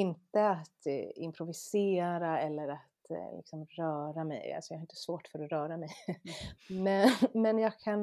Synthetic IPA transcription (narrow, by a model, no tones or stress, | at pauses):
ɪnt̪əat̪ɪ̰mpʰɾʊvɪseːɾaɛlːəɾat̪lɪ̰ksɔmɾœːɾamɛ̰ja̰lsɔ̥jɑhaɾɪnt̪ə̥svoːʈfœɾɔɾœːɾamɛj | mɛmɛnjɑːɡ̚kʰan